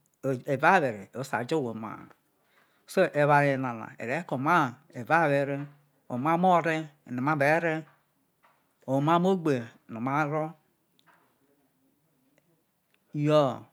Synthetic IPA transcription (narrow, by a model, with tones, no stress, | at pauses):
e˨va˦βe˨ɾe˨o˨˦sa̰˨d͡ʒo˦wo˨ma̰˨ | so˦ʔe˨βa˨ɾe˨na˨na̰˨ḛ˨ɾe˨˦ko˨ma˦˨ | e˨va˦˨βe˨ɾe˦ | o̰˨ma˦m˦o˦˨ɾe˦˨no˨ma˦be˨˦ɾe˦ | o˨ma˦mo˦ɡ͡be˨ | no˨ma˦ɾo˦ | jo˦